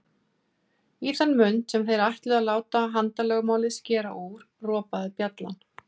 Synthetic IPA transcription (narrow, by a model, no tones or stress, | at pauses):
iθanːmʏnt̪sɛmθejɾajht̪lɪðalaːwt̪aɦant̪alœɣmaːwlɪðscɛːɾa̰ʔuɾ̥rɔːpaðɪpjat̪la̰n